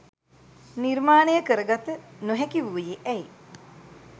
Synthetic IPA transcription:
nirmaːnəjəkəɾəɡat̪ənuɦɛkiʋuːjeʔɛi

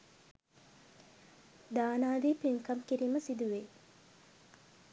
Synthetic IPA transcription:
d̪aːnaːd̪iːpiŋkɐmkiɾiːməsid̪uʋe

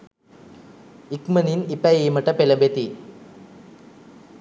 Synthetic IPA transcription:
ikmɐninipːajejmɐʈːɐpelɐmbet̪i

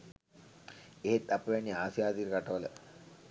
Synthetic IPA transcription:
eɦet̪ːɐpʋenːiaːsijaːt̪iɾkɐʈɐʋɐlə

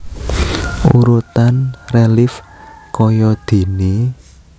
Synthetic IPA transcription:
uɾut̪anrelɪf | kɔjɔd̪̥i̤ni

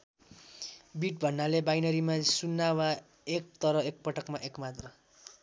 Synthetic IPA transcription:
biʈ̚bʱʌnːalebajnʌɾimasunːawa | ek̚t̪ʌɾʌek̚pʌʈʌkmaʔekmat̪rʌ

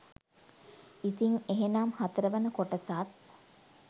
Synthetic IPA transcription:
it̪iŋeɦenaːmhat̪əɾəʋɐnəkoʈɐsaːt̪̚

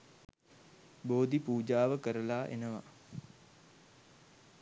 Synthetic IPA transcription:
boːd̪ipuːd͡ʒaːʋəkəɾəlaːʔḛnəʋa̰

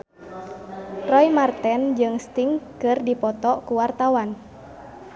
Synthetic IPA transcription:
rɔjmart̪ɛnd͡ʒɨŋst̪iŋkɨrdipɔt̪ɔkuwart̪awan

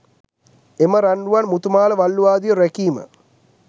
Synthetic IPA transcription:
emɐɾɐɳɖuʋɐnmut̪umaːlɐʋɐlːuʋaːd̪ijɐɾekiːmɐ̰

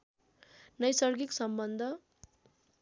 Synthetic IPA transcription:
nʌjsʌrɡiksʌmbʌnd̪ʱʌ

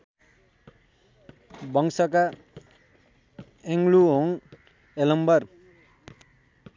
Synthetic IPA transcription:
bʌŋsʌka | eŋɡluɦoŋ | elʌmbʌr

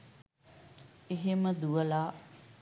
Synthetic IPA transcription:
eɦeməd̪uʋəlaː

